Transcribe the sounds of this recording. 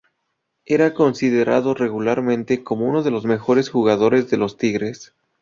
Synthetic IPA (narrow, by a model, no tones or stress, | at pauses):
e̞ɾako̞nsiðe̞ɾaðo̞re̞ɣulaɾmẽ̞nt̪e̞ko̞mo̞uno̞ðe̞lo̞zme̞xo̞ɾe̞sxuɣaðo̞ɾe̞zðe̞lo̞st̪iɣɾe̞s